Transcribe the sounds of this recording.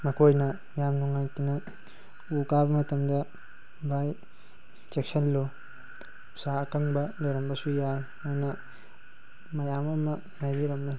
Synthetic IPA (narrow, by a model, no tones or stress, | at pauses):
mɐkojnɐ | jamnuŋajtinɐ | ukabɐmɐtɐmdɐ | baj | t͡ʃeksɐlːo | sakɐŋbɐlɐɾɐmbɐsujajmanɐ | mɐjamɐmɐ | najbiɾɐmna